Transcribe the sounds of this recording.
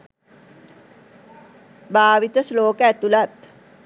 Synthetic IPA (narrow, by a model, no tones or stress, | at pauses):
baːʋit̪əsloːkəæt̪ulat̪